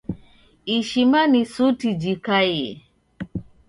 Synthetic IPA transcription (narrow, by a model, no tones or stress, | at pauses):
iʃimanisutid͡ʒikajɛ